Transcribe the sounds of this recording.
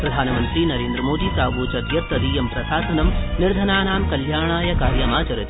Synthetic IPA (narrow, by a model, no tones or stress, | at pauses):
pɾɐd̪ʱaːnɐmɐnt̪ɾiːnɐɾeːnd̪ɾɐmoːd̪iːsɾaːʋoːt͡ʃɐd̪jɐt̪ɐɾiːjɐmpɾɐsaːsɐnɐmnɪɾd̪ʱɐnaːnaːmkɐljaːɳaːjɐkaːɾjɐmaːt͡ʃɐɾɐt̪i̥